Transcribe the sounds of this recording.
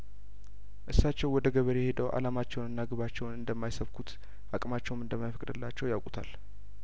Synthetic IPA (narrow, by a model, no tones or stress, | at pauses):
ʔɨsːat͡ʃːɛwwɔd̪əɡəβəɾejɛhe̞d̪əwʔa̰lamat͡ʃːɛwnɨnːaɡɨβat͡ʃːɛwnɨnd̪əmːajsəβkʰut̪ | akʼmat͡ʃːɛwmɨnd̪əmːajfəkʼd̪ɨlːat͡ʃːɛwjawkʼut̪ʰa̰l